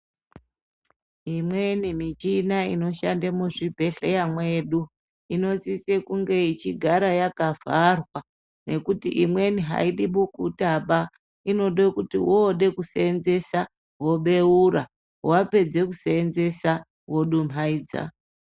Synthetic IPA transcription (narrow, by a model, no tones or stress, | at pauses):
imwenimit͡ʃinaino̞ʃandamuʐibʱe̞ɬejamwe̞ːɗu | ino̞sisekuŋɡe̞it͡ʃiɡʱaɾajakavʱarwa | ne̞kutḭʔimwe̞niɦa̰iɗiɓukutaɓa | ino̞ɗekutiwoːɗe̞kuseːnze̞sa | wo̞ɓe̞uɾa | wape̞d͡ze̞kuseːnze̞sa | wo̞ɗum̤aiːd͡za̰